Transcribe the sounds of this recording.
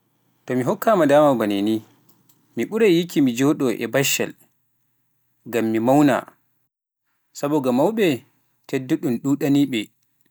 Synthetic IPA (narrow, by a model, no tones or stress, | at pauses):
tɔmiɦɔkːamadaːmawbaneni | miɓuɾajjikimid͡ʒɔɗɔʔɛ̰baʃa̰l | ɡamːimawna̰ | sabɔɡamawɓɛ | tedːuɗunɗuːɗaniːɓɛ